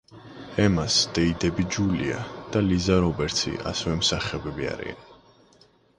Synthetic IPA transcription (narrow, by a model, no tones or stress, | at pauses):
ɛmasd̪̥ɛid̪ɛbid͡ʒuliad̪̥alizaɾɔbɛɾt̪sʰḭʔa̰sɛvɛmsaχɛbɛbia̰ɾḭa̰n